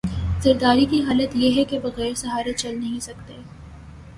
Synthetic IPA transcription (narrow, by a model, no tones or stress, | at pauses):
zɐɾd̪aːɾikiɦaːlət̪jeɦɛkebɐɣɛːɾsɐɦaːɾət͡ʃɐlnɐɦĩsɐkt̪eː